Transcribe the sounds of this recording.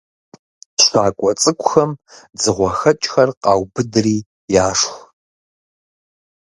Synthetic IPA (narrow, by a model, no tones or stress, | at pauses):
ɕʷaːkʷʼɔt͡sʼɨkʷʼʊxɐm | d͡zɨʁʷɔxɐt͡ʃʼxɐrqɑːwbɨdriː | jaːʂxʷ